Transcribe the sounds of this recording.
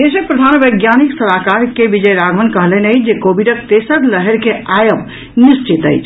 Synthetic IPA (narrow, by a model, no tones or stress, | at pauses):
esepɾəd̪ʱanʋəjɡjaniksəlakaɾkebid͡ʒəjɾaɡʱmənkəɦlenəjd͡ʒekobiɖək̚t̪esəɾləɦɛɾkeajəp | nist͡ʃit̪ə̰jt͡ʃʰ